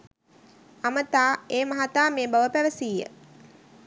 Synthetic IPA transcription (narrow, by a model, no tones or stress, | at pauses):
amət̪aːeːmɐɦat̪aːmeːbaʋəpæʋəsiːjːə̰